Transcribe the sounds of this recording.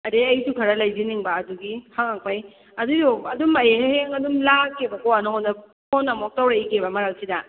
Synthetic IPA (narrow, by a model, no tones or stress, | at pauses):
ɐdeɐjsukʰɐɾɐlɐjziniŋbɐːduɡihaŋak̚paj | ɐdudoɐdumɐjeɦheŋɐdumlakebɐkowanaɦondɐ | pʰonɐmok̚tawɾaikebɐmɐɾawsidɐ